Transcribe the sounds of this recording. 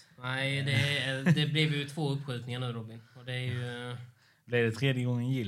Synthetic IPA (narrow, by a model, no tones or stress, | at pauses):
næɪd̪ɛd̪ɛblɪvjɵt̪ʰvoːɵpːɧʉ̟ːt̪nɪŋaɳʉ̟ːɾɔbɪnɔd̪ɛæɾjjɵ | blɪɖɛt̪ʰɾeːd̪jəɡɔŋːənjɪ